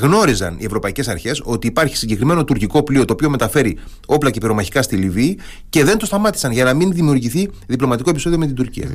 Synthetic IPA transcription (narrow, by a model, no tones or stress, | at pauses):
ɣno̞ɾizɐ̰nḭe̞vɾo̞pɐice̞sɐɾçe̞so̞t̪iːpɐɾçi̥siɲɟe̞kɾime̞no̞t̪uɾciko̞plio̞t̪oːpio̞me̞t̪ɐfe̞ɾi | o̞plɐcepeɾo̞mɐçi̥kɐst̪iliviː | ce̞ðe̞nt̪o̞st̪ɐmɐt̪i̥sɐnʝɐnɐminðimiuɾʝiθiðiplo̞mɐt̪ikop̬iso̞ðio̞me̞t̪ind̪uɾcḭɐ̰